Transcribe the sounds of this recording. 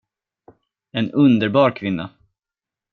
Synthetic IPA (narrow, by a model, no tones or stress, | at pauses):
ɛnɵnd̪əɾbɑːɾkʰvɪnːa̰